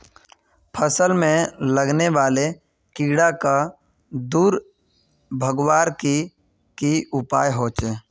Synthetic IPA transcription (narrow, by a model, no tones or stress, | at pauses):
pʰəsəlmẽləɡneʋaːle | kiːɽaka | d̪uːɾ | bʱəɡwaːɾki | kiʊpaːjɦoːt͡ʃeː